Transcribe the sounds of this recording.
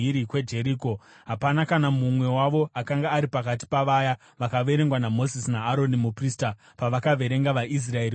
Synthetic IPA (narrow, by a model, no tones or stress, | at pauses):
iɾikwe̞d͡ʒe̞ɾiːko̞ | ɦapanakanamumwe̞waʋo̞ʔakaŋɡaːɾipakat̬i̥paʋaja | ʋakaʋe̞ɾe̞ŋɡwanamo̞zisnaːɾo̞nimuprista | paʋakaʋe̞ɾe̞ŋɡaʋaʔis̬rae̞ɾi